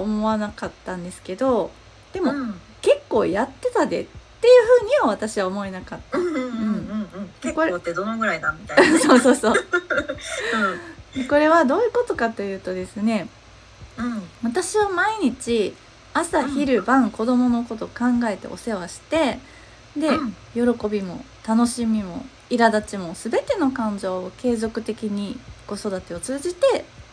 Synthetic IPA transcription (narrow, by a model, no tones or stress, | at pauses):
omo̞βanakat̪ːãnd̪e̞sɨ̥ke̞d̪o̞ | d̪̥e̞mo̞ | ke̞kːo̞̰ːjat̪ːe̞t̪ad̪e̞̰t̪ːe̞jɯ̟ːɸɯ̟ːɲ̟ioβ̞at̪aɕiβaomo̞e̞nakat̪ːaɯ̟̃ɴ̃koɾt̪ːed̪onoɡɯ̟ɾaid̪amiasoːsoːsoː | eko̞ɾe̞βad̪o̞ːjɯ̟ko̞t̪o̞kat̪ːo̞jɯ̟ːt̪o̞d̪e̞sɨne̞ | βat̪aɕiβamaiɲ̟it͡ɕi | asaçiɾɯ̟bãŋko̞d̪o̞mo̞no̞ko̞t̪o̞kãŋɡae̞t̪e̞̰ʔo̞se̞β̞aɕi̥t̪e̞ | d̪e̞ | jo̞ɾo̞ko̞bʲimo̞̰t̪ano̞ɕimʲimo̞̰ | iɾad̪at͡ɕimo̞sɨbe̞t̪e̞no̞kãɲ̟d͡ʑo̞ːke̞ːzo̞kɯ̟t̪e̞kʲiɲ̟iɡ̥o̞so̞d̪at̪e̞o̞t͡sɨːd͡ʑit̪e̞